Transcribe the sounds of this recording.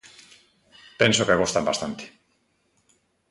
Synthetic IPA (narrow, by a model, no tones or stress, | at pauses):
pensokeɣost̪ambast̪ant̪e̥